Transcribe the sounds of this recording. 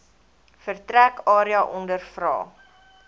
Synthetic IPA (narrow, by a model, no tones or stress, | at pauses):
fərtrækɑːɾiɑʔɔndərfrɑ̰ː